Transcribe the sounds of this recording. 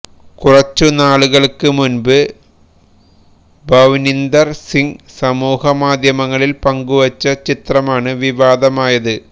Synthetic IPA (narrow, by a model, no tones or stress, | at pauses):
kurɐt͡ɕːunaːɭuɣɐɭkɨmunbɨ | bʱɐʋinind̪ɐrsiŋsɐmuːhɐmaːd̪ʱjɐmɐŋːɐɭilpɐŋɡuʋɐt͡ɕːɐt͡ɕit̪rɐmaːɳɨʋiʋaːd̪ɐmaːjɐðɨ